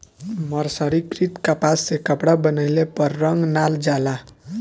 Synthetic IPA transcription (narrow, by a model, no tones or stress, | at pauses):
mʌɾsʌɾikɾit̪kapasːekʌpɽabʌnʌjlepʌrːʌŋɡnald͡ʒala